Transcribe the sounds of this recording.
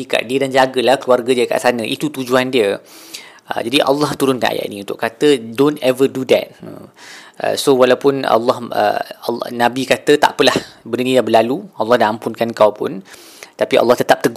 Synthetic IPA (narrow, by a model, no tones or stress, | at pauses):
ika̰ʔdiədand͡ʒaɡəlahkluarɡədiəka̰ʔsanə̃ʔit̪ut̪ud͡ʒuandiə | ə̰d͡ʒadiʔɑ̰lːɑht̪uɾʊnkanʔa̰ja̰ʔnĩunt̪ʊʔkat̪ədontɛvədudɛ̰t̪̚ə̰ | ə̰sowalawpʊna̰lːɑhə̰nãbikat̪ət̪a̰ʔpəlahbənənĩjabəlaluɑlːɑhdaampʊnkankawpʊ̰n | t̪apiʔɑ̰lːɑht̪ət̪ap̚t̪əɡ